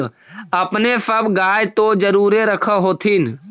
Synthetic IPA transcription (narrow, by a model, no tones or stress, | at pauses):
əpnesəbɡaːjt̪od͡ʒəɾuːɾeɾəkʰaɦoːt̪ʰin